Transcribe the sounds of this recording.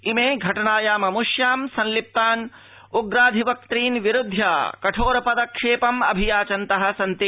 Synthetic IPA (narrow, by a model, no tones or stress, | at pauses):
imeːɡʱɐʈɐnaːjaːmɐmuʂjaːmsɐnlip̚t̪aːn | uɡɾaːd̪ʱiʋɐk̚t̪ɾiːnʋiɾud̪ʱːjaːkɐʈʰoːɾɐpɐd̪ɐkʂeːpɐmɐbʱijaːt͡ʃɐnt̪ɐɦɐ̆sɐnt̪i